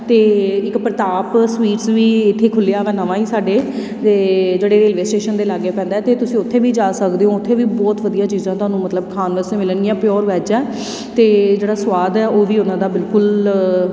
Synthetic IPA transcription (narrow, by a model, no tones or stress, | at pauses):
t̪eːɪkpɾət̪aːpsʋiːʈsʋiːɪt̪ʰːeːkʰʊlːjaːʋɛːnəʋãːiːsaːɖeː | eːd͡ʒeːɽeːɾeːlʋeːsʈeːʃənd̪eːlaːɡeːpɛ̃ːnd̪aːɛːt̪eːt̪ʊsĩːʊt̪ʰːeːʋiːd͡ʒaːsəkd̪eːɦõːʊt̪ʰːeːʋiːbɔːt̪ʋəd̪ijãːt͡ʃiːzãːt̪oʊɦaːnũːmət̪ləbkʰaːnʋəsẽːmɪlənijãːpɪjɔːɾʋɛːd͡ʒɛː | t̪eːd͡ʒeːɽaːswaːd̪ɛːoːʋiːʊnãːd̪aːbɪlkʊl